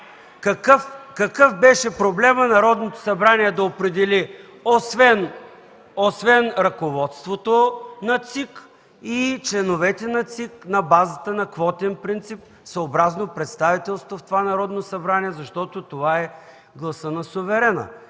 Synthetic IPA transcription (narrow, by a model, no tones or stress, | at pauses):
kɐkəfkɐkɤfbɛʃɛpɾoblɛmənɐɾɔd̪not̪o̥sɐbɾaniɛd̪ɐopɾɛd̪ɛli | osvɛn | osvɛnɾɐkovɔt̪st̪vot̪onɐt̪sik | it͡ʃlɛnovɛt̪ɛnɐt̪siknɐbazət̪ənɐkvɔt̪ɛnpɾint̪sip̚ | səobɾaznopɾɛt̪st̪avit̪ɛlˠst̪voft̪ovanɐɾɔd̪nosɐbɾaniɛzɐʃt̪ɔt̪ot̪ovaɛ | ɡlˠɐsənɐsʊvɛɾɛnə̰